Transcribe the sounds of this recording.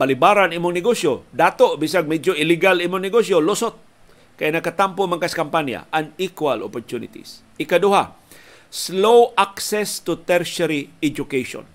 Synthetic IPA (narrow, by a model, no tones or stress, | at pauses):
palibaɾanimʊŋnɛɡosjod̪at̪oʔbis̬aɡ̚mɛd͡ʒoiliɡalimʊŋnɪɡosjolosot̪̚ | kajinakat̪ampʊmaŋkaskampanja̰ʔaŋikwalo̰poɾt̪unḭt̪ḭs | ikaduɦa | slowʔaksɛst̪ut̪ɛɾsaɾiɛd͡ʒʊkejʃo̰n